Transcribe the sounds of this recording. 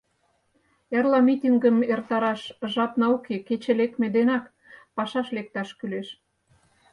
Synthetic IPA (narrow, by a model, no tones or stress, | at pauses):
ĕrlɑmit̪ʲiŋɡəmert̪ɑɾɑʃʒɑpnɑokʰeket͡ɕĕlek̪̚med̪enɑk | pɑʃɑʃlek̚t̪ɑʃkyleʃ